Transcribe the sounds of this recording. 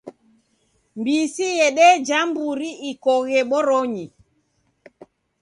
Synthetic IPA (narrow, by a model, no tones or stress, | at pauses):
mbiːsijɛɗɛd͡ʒambuɾiikɔɣɛɓɔɾɔɲi